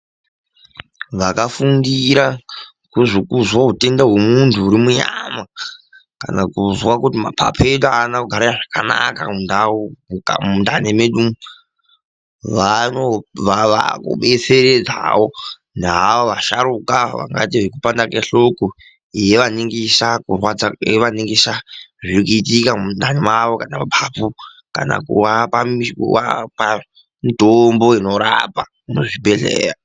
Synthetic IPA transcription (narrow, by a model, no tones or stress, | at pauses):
ʋakafundiɾa | kuʐikuzwaɦute̞ndaɦwomuntʰuːɾimuɲa̰ma | ka̰nakuzwakutima̰pʰa̰pʰetoanakuɡʱaɾaaʐakana̰kaundaa̰mundanemeɗum | ʋanoʋaʋa̰kṵɓet͡seɾed͡za̰wo | nɦaoʋaʃaɾukaʋa̰ŋɡa̰tiʐekupandakeɬoko | je̞ʋaniŋɡisakurwad͡zaeʋaniŋɡisaʐiɾkuitikamundanimaʋokanamapʰapu | ka̰na̰kṵwapamikṵwa̰pa | mitomboinoɾa̰pa | muʐibʱeɬḛːɾa